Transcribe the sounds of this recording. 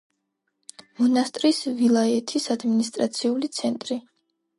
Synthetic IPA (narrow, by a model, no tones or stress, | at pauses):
mɔnast̪ʼɾisvilˠaɛt̪ʰisad̪minist̪ʼɾat̪sʰiulit̪sʰɛnt̪ʼɾi